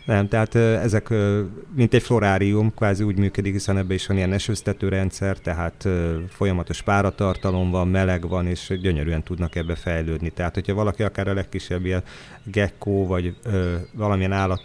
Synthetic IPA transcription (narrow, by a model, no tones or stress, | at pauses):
nɛmt̪ɛɦaːt̪ɛzɛkːmint̪ɛcflo̞ɾaːɾiumkʋaːziuːɟmyːkød̪ikɦisɛnɛbːɛiʃʋɒnijɛnɛʃøst̪ɛt̪øːɾɛnt̪sɛrt̪ɛɦaːt̪øfo̞jɒmɒt̪o̞ʃpaːɾɒt̪ɒrt̪ɒlo̞mvɒmmɛlɛɡʋɒneːʃɟøɲøɾyːɛnt̪ud̪nɒkɛbːɛfɛjløːd̪nit̪ɛɦaːt̪ho̞cʰhɒvɒlɒkiɒkaːɾɒlɛkːiʃːɛbːijɛn | ɡɛkːoːvɒɟøːvɒlɒmiɛnaːlːɒt̪